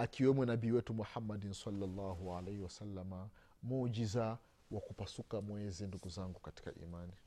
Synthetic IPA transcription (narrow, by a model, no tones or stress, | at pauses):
akiwɛmwɛnabiːwɛtumuħamːadinsalːalːaːɦualɛjhiwasalːama | mud͡ʒiza | wakupasukamwɛzinduɡuzaŋɡukati̥ka̰ʔḭmani